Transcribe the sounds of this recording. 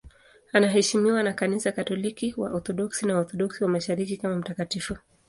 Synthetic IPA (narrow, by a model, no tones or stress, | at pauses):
anaɦɛʃimiwanakanisakatɔlikiwa̰ʔɔθɔɗɔksinaɔθɔɗɔksiwamaʃaɾikikamam̩takatifu